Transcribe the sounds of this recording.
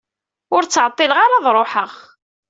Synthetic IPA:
ʊɾt͡sːʕət̪ˤːɪləʁaɾaðˤɾˤoħəʁ

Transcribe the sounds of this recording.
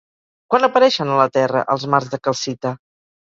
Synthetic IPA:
kwanəpəɾɛʃənələt̪ɛrə̰ʔəlˠzmarzðəkəlˠsit̪ə

